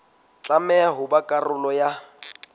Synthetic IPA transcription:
t͡ɬʼamɛaɦʊbakʼarʊlɔja

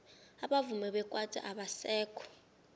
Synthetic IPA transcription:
aɓavumɛɓɛkʼwatʼa̰ʔaɓasɛːkʰɔ̥

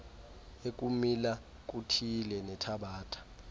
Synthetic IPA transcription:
ek̬ʼumila | k̬ʼutʰilɛnɛtʰaɓaːtʰʼḁ

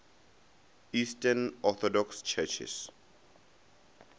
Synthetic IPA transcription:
isʈənɔt̪ʰɔɖɔkst͡ʃʰət͡ʃʰḛs

